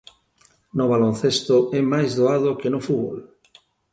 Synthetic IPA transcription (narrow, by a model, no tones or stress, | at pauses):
noβalõnθest̪oemajzðoaðokenofuβo̰l